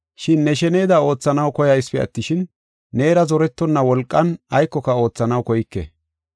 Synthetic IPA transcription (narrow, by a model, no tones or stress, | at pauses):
ʃɪnːɛʃɛneːd̪ɐo̞ːt͡sːɐnɐwkɔjɐjspɛɐ̰t̪ːɪʃɪnː | e̞ːɾɐzɔɾɛt̪ːɔnːɐwɔlkʼːɐnɐjkːɔkɐo̞ːt͡sːɐnɐwkɔjɪkːɛ̰